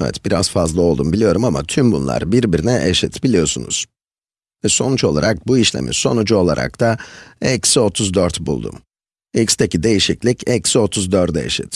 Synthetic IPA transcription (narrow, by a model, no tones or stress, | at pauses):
ɛvɛ̰t̪b̥iɾa̰zfazlˠaolˠd̪umbilʲijo̞ɾumama̰t̪ʰymbunlˠa̰ɾbiɾbiɾinɛʔeʃit̪bilʲijo̞sunṵz̥ | vɛso̞nut͡ʃo̞lˠa̰ɾak̚buiʃlʲḛmḭso̞nud͡ʒuo̞lˠa̰ɾʔa̰k̚t̪ʰaɛcso̞t̪ʰuzd̪øɾt̪bṵlˠd̪ṵm | ɛcst̪ecid̪e̞jiʃiclʲicʰɛcso̞t̪ʰuzd̪øɾt̪ḛʃḭt̪